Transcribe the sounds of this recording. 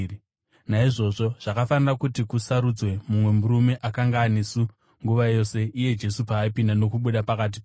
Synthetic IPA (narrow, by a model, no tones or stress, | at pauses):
naiʐo̞ʐo̞ʐ̥akafanirakutikusaɾud͡zwe̞mumwe̞muɾume̞ʔakaŋɡaːnesu | ŋɡuʋajo̞se̞ʔije̞d͡ʒe̞supaːipindano̞kuɓuɗapakat̬ip